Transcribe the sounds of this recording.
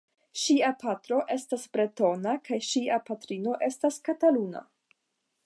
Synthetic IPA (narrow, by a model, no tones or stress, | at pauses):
ʃiapatɾo̞ʔe̞stasbɾe̞to̞nakʰajʃiapatɾino̞ʔe̞staskataluna̰